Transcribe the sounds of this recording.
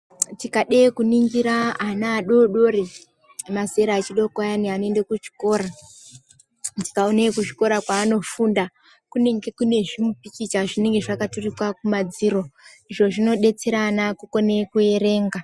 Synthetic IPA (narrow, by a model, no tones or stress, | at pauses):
tikaɗekuniŋɡiɾaːnaːɗo̞ɗo̞ɾi | maze̞ɾaːt͡ʃiɗo̞kajanianoendekut͡ʃi̥ko̞ːɾa | tikaonekut͡ʃi̥ko̞ɾakwaːno̞funda | kuneŋɡe̞kune̞ʐimupikit͡ʃaʐine̞ŋɡeʐakaturikwakumad͡ziɾo̞ | iʐo̞ʐino̞ɗe̞t͡se̞ɾaːnakuko̞nekue̞ɾe̞ːŋɡa